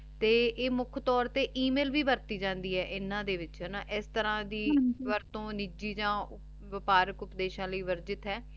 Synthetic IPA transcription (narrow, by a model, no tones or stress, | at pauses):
t̪eːʔeːmʊkʰt̪ɔːɾt̪eːʔiːmeːlʋiːbəɾt̪iːd͡ʒãːnd̪iːɦɛːʔɪnːãːd̪eːʋɪt͡ʃɦɛːnaːʔɪst̪əɾãːd̪iːʋəɾt̪õːnid͡ʒiːd͡ʒãː | ʋɪpaːɾəkʊpd̪eːʃãːləiːʋəɾd͡ʒɪt̪ɦɛː